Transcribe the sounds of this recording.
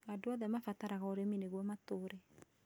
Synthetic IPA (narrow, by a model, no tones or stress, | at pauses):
adoɔðɛmafataɾaɣaoɾemineɣwɔmatoːɾɛ